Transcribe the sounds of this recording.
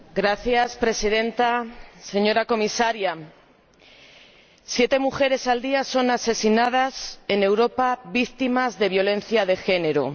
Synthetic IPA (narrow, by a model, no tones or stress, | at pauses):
ɡɾaθjaspɾe̞sið̞e̞nt̪ase̞ɲo̞ɾako̞misaɾja | sje̞t̪e̞muxe̞ɾe̞sald̪iaso̞nase̞sinað̞ase̞ne̞wɾo̞paβikt̪imazðe̞βjo̞lẽ̞n̟θjaðe̞xe̞ne̞ɾo